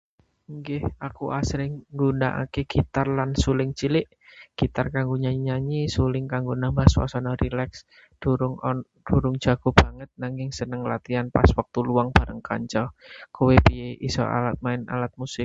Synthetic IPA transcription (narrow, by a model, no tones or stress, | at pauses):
ŋɡɪhakuʔasɾɪŋŋɡuna̰ʔa̰keɡ̥it̪arlansulɪŋt͡ʃilɪʔ | ɡ̥it̪arkaŋɡuɲaɲaɲisulɪŋkaŋɡonambaswa̰sanɔɾilɛks | d̥uɾʊŋɔ | d̥uɾʊŋ̥d͡ʒ̥aɡ̥o̤b̥aŋət̪̚naŋɪŋsənəŋlat̪ianpa̰swak̚t̪uluaŋb̥aɾəŋka̰ɲt͡ʃɔkowepieʔisɔ̰a̰lat̪̚maɪna̰lat̪̚musɪk̚